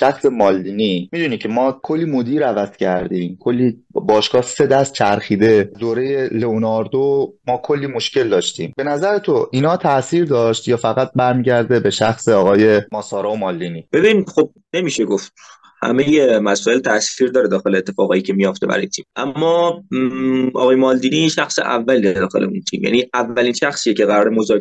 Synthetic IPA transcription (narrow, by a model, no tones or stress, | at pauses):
ʃæxse̞mɒːlːiːnimid̪uːnicʰe̞mɒːkʰolːiːmod̪iːɾævæz̥cʰæɾd̪iːmkʰolːiːbɒːʃkɒːse̞d̪æst̪̚t͡ʃʰæɾxiːd̪e̞d̪oːɾejeleonɒɾd̪omɒːkʰo̞lːiːmo̞ʃce̞ld̪ɒːʃt̪iːmbe̞næzæɾet̪ʰoʔiːnhɒːt̪ʰæsiːɾd̪ɒːʃt̪jɒːfæɣæt̪̚bæɾmiːɟæɾd̪e̞beʃæxseɒːɣɒːje̞mɒːsɒːɾɒːomɒːld̪iːniːb̥e̞binixob̚ne̞miːʃeɡoft̪ | hæ̰mejemæsɔːe̞lt̪ʰæsiːɾd̪ɒːɾed̪ɒːxe̞leːt̪ʰːe̞fɒːɣɒːjicʰemijoft̪ebæ̰ɒ̰jet̪ʰḭːmʔæmːɒː | ɒ̰ɣɒːjemɒːld̪iːniʃæxsḛʔæ̰vːæliːed̪ɒːxe̞̰leunt̪ʰḭːmjæ̰niʔævæliːnʃæxsiːjecʰe̞ɣæɾɒːɾemozɒː